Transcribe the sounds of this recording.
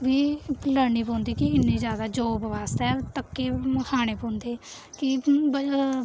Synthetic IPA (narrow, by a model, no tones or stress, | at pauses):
ʋiːləɽniːpɔ̃ːnd̪iːkɪɪnːẽːzjaːd̪aːd͡ʒoːbʋaːst̪ɛːt̪əkːeːkʰaːɽ̃eːpõːnd̪eː | kɪ